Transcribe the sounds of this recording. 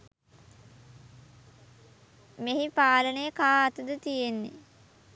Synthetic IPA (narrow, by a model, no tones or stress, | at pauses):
meɦipaːlənəjəkaːt̪ud̪ət̪ijenːḛ